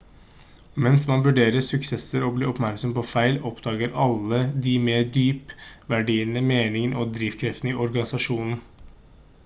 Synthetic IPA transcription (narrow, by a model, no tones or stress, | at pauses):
mɛnsmɑnʋʉɖeːɾəsʉksɛsəɾɔbliːɔpmæɾksɔmpɔfæɪlɔpd̪ɑːɡəɾɑlːəd̪imeːd̪yːpʋæɖiːnəmeːnɪŋənʔɔːd̪ɾiːʋkʰɾɛft̪n̩iːʔɔɾɡɑnɪsɑʂuːnn̩